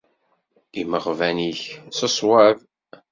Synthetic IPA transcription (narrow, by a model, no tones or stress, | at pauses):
iməʁvæniçsəsˤwað